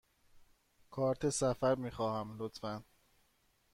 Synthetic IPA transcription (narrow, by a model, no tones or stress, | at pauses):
kʰɒːɾt̪ʰesæfæɾmiːxɒːhæmlot̪fæn